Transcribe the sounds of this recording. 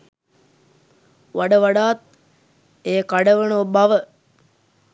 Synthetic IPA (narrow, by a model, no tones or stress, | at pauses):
ʋaɖəʋaɖaːt̪̚ | eːkaɖəʋənobaʋə